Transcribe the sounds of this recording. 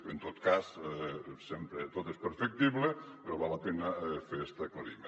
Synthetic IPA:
ent̪ot̪kas | sempɾet̪ot̪espeɾfek̚t̪iβlepeɾoβalɐpenɐfeɛst̪aklaɾime

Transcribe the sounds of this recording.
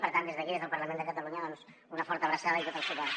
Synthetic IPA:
pəɾt̪and̪ezðəkiðezðəlˠpɐɾlamẽnd̪əkat̪aluɲaðɔnsunɐfɔɾt̪aβɾasaðɐit̪ot̪əlˠsfut̪a

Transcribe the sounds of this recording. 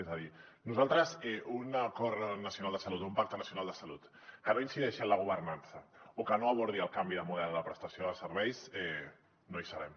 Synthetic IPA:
ezəðinuzalˠt̪ɾəzɛunəkɔɾnəsiunalˠd̪əsalut̪oumpak̚t̪ənəsjunalˠd̪əsalut̪ | kənoinsiðɛʃənləɣ̞uβ̞ərnansəokənoaβ̞uɾðiəlˠkambiðəmuðɛlˠləpɾəst̪asioðəsəɾβɛjsɛ | noisəβɛm

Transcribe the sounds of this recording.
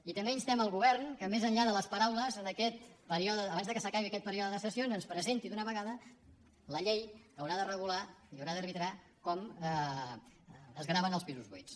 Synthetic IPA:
it̪əmbenst̪ɛməlˠɣuβɛrnkəmezəɲʎaðələspəɾawləzənəkɛt̪pəɾiɔðəːβanzðəkəsəkaβiəkɛt̪̚pəɾiɔðəðəsəsionzənspɾəzent̪iðunəβəɣaðə | ləʎejəwɾaðərəɣulaiəwɾaðərβit̪ɾa | kɔmə | əzɣɾaβənəlˠspizuzβujs

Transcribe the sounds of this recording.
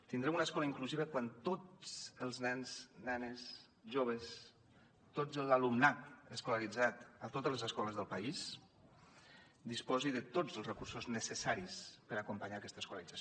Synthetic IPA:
t̪ind̪ɾɛmunəskɔləiŋkluziβəkwant̪o̥əlˠznɛnznɛnəs | ʒoβ̞əs | t̪od͡zəlalumnat̪əskulaɾid͡zat̪ət̪ot̪əzləzəskɔləzðəlˠpais | d̪ispɔziðət̪od͡zəlˠrəkursuznəsəsaɾispəɾakumpəɲaːkɛst̪əskuləɾid͡zas

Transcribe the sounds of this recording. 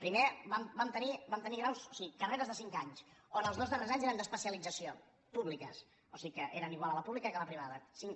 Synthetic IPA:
pɾimebambamt̪ənibamt̪əniɣɾawsosiɣikəreɾəzðəsiŋkaɲsonəlˠzðozðərezaɲzeɾənd̪əspəsiəlid͡zəsio | puβlikə̰s | osiɣikəʔeɾəniɣwalˠələpuβlikəkələpɾiβ̞aðəsiŋ

